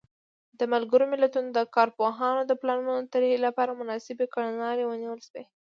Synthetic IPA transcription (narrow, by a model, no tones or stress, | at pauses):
d̪əmalɡəɾomɪlat̪unod̪əkɑɾpoɦɑnod̪əplɑnunot̪əɾhelapɑɾamʊnɑsɪbekaɽanɑɾewəniwəlʃwe